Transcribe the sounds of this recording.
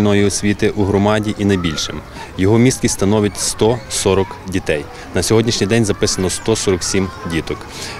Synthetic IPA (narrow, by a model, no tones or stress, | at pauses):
nɔjiɔsʲʋʲit̪ɪʔuɦɾɔmɑdʲiʔinɐjbʲilʲʃɪ̰m | jɔɦɔmʲist̪̚kʲist̪ɐnɔʋʲjɐtʲst̪ɔsɔɾɔkdʲit̪ɛj | nɐsʲɔɦɔdʲnʲiʃnʲijd̪ɛnʲzɐpɪsɐnɔst̪ɔsɔɾɔksʲimdʲit̪ɔk